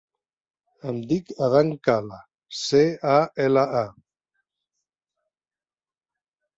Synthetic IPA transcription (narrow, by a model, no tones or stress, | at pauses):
əmd̪ikaðaŋkala | seaɛlaa